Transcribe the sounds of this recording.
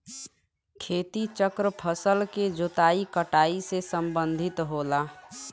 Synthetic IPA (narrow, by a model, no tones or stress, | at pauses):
kʰeːt̪it͡ʃəkɾəpʰəsəlked͡ʒot̪aːikəʈaːisesəmbənd̪ʱɪt̪ɦoːla